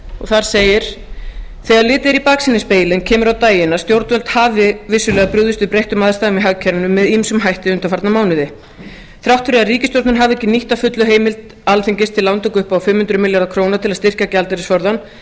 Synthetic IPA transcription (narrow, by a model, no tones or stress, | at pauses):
ɔ̰ɣθaɾ̥seːjɪɾ̥ | θɛːɣaɾlɪːt̪ɪɾipaːksɪnɪspeːjlɪncʰɛːmʏɾawt̪aːjɪnast̪jowɾt̪vœlt̪havɪvɪsːʏlɛːɣapɾʏðʏst̪ʏpɾejht̪ʏmaːðst̪aɣʏmiɦaɣcʰɛɾnʏmːɛðimsʏmɦajht̪ɪʏnt̪afaɾt̪namaːwnɪðɪ | θɾawht̪fʏɾɪariːcɪst̪jowɾt̪nʏɾɦavɛhcːɪniht̪afʏt̪lʏɦeːjmɪlt̪ | alθɪɲcɪst̪ʰɪlːawnt̪ʏkʏhpawfɪmhʏnt̪ɾʏmɪljaɾðakʰɾoːwnat̪ʰɪlaðst̪ɪr̥cacalt̪aɾɪsvɔɾðan